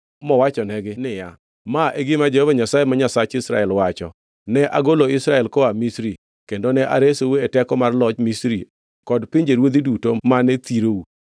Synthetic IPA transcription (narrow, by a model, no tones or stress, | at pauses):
mɔwat͡ʃɔnɛɡɪnɪja | maʔeɡɪmad͡ʒehovaɲasajemaɲasat͡ʃɪsɾa̰ɛlwat͡ʃɔ̰ | nɛʔaɡoloɪsɾaɛlkɔamisɾi | kendonɛʔa̰ɾesowɛtɛkɔmarlɔt͡ʃmisɾi | kɔdpɪɲd͡ʒeɾwod̪idutomanɛt̪iɾou